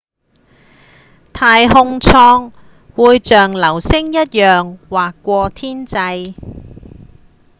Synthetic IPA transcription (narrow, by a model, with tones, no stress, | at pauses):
t̪ʰaː˧jhʊ˧ŋt͡sʰɔː˧ŋ | wuː˨˧jt͡ʃœː˨ŋlɐ˨˩wsɪ˥ŋjɐ˥t̚jœː˨ŋwaː˨kːʷɔː˧t̪ʰiː˥nt͡sɐ˧j